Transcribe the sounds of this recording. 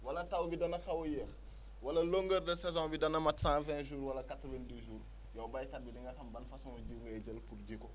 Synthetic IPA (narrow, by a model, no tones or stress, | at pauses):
wɐlɐtɐwbidɐnɐxɐwɔjɛːx | wɐlɐloŋɡərdɛsɛzɔ̃ːbidɐnɐmɐtsãvɛ̃ːʒuːɾwɐlɐkatɾuvɐndəʒuːr | jɔwbɐjkɐt̚bidiŋɡɐxɐmbɐnfɐsuŋɔɟiwŋɡɐɟəlpurɟikɔ